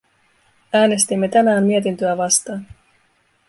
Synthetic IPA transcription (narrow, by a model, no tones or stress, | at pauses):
æːne̞st̪imːe̞t̪ænæːmmiet̪̬int̪øæʋɑst̪ɑːn